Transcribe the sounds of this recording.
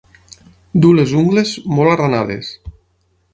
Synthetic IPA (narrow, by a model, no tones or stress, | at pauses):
d̪ulezuŋɡlezmolaranaðḛs